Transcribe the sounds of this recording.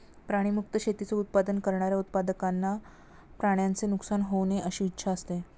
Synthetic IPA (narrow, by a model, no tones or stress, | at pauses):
pɾaɽ̃imuk̚t̪əɕet̪it͡seut̪̚pad̪ənkəɾɳaɾjaut̪̚pad̪əkanːa | pɾaɽjant͡senuksanɦowneʔəɕiːtːɕʰaəst̪e